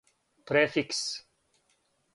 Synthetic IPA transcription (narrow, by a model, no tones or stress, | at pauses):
pɾefiks